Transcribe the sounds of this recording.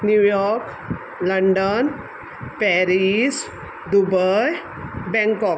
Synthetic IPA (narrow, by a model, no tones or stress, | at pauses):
njuːjɔːɾk | lɐɳɖən | pɛɾis | d̪ubəj | bɛ̃ŋkɔːk